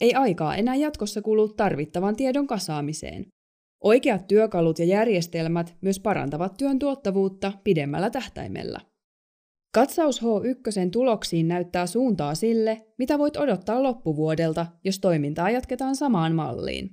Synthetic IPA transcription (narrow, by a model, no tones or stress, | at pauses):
e̞jɑjkɑ̰ːʔe̞næːjɑt̪ko̞sːɑkuːluːt̪ːɑrʋit̪ːɑʋɑnt̪iedo̞ŋkɑsɑːmisḛːn | ʔo̞jkeɑt̪ːyøkɑlut̪jɑjærje̞st̪e̞lmæt̪myøspɑɾɑ̰nt̪ɑʋɑt̪ːyønt̪uot̪ːɑʋuːt̪ːɑpide̞mːæ̰lːæt̪æht̪æ̰jmḛlːæ̰ | kɑt̪sɑusho̞ːʔykːøse̞nt̪ulo̞ksiːnːæyt̪ːæːsuːnt̪ɑːsilːe̞mit̪æʋo̞jt̪o̞do̞t̪ːɑːlo̞pːuʋuode̞lt̪ɑjo̞st̪o̞jmint̪ɑːjɑt̪ke̞t̪ɑːnsɑmɑːnmɑ̰lːḭːn